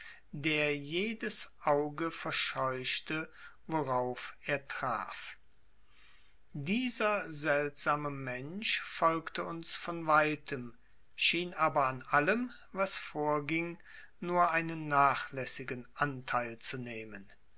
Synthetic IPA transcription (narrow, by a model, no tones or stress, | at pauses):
deːɐjeːdəsʔaʊɡəfɛɐʃɔʏʃtəvoʁaʊfʔeːɐtʁ̥a̰ːf | diːzɐzɛltz̥aːməmɛnʃfɔlktəʊnsfɔnvaɪtʰəm | ʃiːnʔaːbɐanʔaləm | vasfoːɐɡɪŋ | nuːɐʔaɪnənːaːχlɛsɪɡənʔantʰaɪlt͡suneːmən